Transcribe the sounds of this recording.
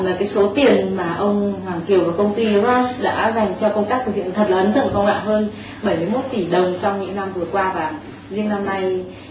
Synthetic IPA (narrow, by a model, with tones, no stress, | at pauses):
laː˨˩kaː˨˦jso˨˦t̪i˨˩ənmaː˨˩ʔə˧wŋ͡mhwaː˨˩ŋki˨˩əwvaː˨˩kə˧wŋ͡mt̪i˧zɔ˦˥sɗa̰ː˧˥za˨˩jŋ̟t͡ɕɔ˧kə˧wŋ͡mt̪a˦˥k̚t̪ɨ˨˩khḭ˧˨˩t̪ʰə˨˩t̚laː˨˩˨nt̪ʰɨ̰˧˨ə˨ŋkɔ˧wŋ͡mŋa̰ː˧˨nɦəː˧n | ɓə˧˩jmɨ˧jmo˦˥t̚t̪i˧˩ɗə˨˩wŋ͡mt͡ɕɔ˧wŋ͡mɲɨ̰˧˥ŋna˧mvɨ˨˩əkwaː˧vaː˨˩ | zi˧˥əŋna˧mna˧j